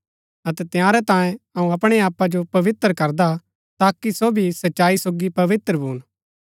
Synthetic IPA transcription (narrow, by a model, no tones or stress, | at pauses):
ɐt̪ɛt̪ɪjaːɾɛt̪ãːjẽɐũɐpɽ̃eaːpad͡ʒopɐʋɪt̪ːɾkɐɾd̪a | t̪aːkisoːbʱisɐtːʃaːisoːɡipɐʋɪt̪ɾəbʱuːn